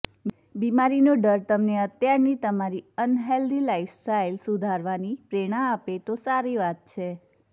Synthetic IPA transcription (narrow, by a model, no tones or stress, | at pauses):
bimaɾinoɖəɾt̪əmneət̪jaɾnit̪əmaɾiənɦeld̪ilaifsʈailsud̪ʱaɾʋanipɾeɽ̃aːpet̪osaɾiʋat̪̚t͡ʃʰe